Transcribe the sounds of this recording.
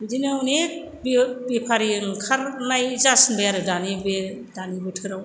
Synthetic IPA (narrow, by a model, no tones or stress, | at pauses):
bidinawne | bibipʰaɾiɯŋkʰaɾnajzasnbɯjaɾɯdanibedanibɯtʰɯɾaw